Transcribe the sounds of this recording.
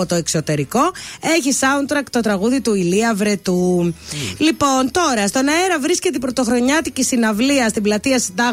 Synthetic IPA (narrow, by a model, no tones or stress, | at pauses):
ot̪o̞ekso̞t̪e̞ɾiko̞e̞çisɐunt̪ɾɐkt̪o̞t̪ɾɐɣuðit̪uiliɐvɾet̪u | lipo̞nt̪o̞ɾɐst̪o̞nɐeɾɐvɾiscet̪pɾo̞t̪o̞xɾo̞ɲɐt̪icist̪inɐvliɐst̪iblɐt̪iɐsid̪ɐ